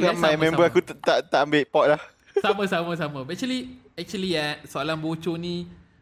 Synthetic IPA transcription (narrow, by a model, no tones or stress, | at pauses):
amajmɛ̃mbəakut̪ət̪aʔt̪aʔambeʔpɔt̚lah | samə̃samə̃samə̃bɛk̚t͡ʃəli | ɛk̚t͡ʃuəliɛt̚soalanbot͡ʃonĩ